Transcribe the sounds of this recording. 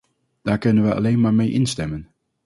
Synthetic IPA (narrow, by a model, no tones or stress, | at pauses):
d̥aːɹkɵnənʋəɑ̰lejnmaːɹmejʔɪnstɛmən